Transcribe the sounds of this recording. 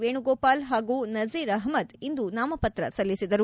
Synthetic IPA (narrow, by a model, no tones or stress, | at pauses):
ʋeːɳuɡoːpaːlɦaːɡuːnɐziːɾɐɦmɐd̪ind̪unaːmɐpɐt̪ɾɐ̰sɐlːisid̪ɐɾu